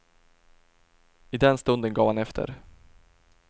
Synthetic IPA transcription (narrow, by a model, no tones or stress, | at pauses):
ɪd̪ɛnst̪ɵnd̪ənɡɑːvhanɛft̪ʰə̰ɾ